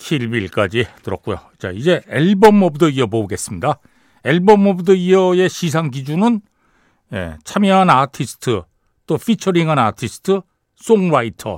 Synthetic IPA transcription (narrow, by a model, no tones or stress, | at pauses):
kʰiɭbiɭk͈ad͡ʑitɯɾʌk̚k͈ujo̰ | t͡ɕa̰id͡ʑe̞eɭbʌmːʌbdʌiʌbouɡe̞s͈ɯmɲida | e̞ɭbʌmːʌbɯdʌiʌje̞ɕʰisʰaŋɡid͡ʑunɯn | jḛt͡ɕʰamjʌɦanatʰisʰɯ̥tʰɯ | t͈opʰit͡ɕʰʌɾiŋɦanatʰisʰɯ̥tʰɯ | s͈oŋɾaitʰʌ̰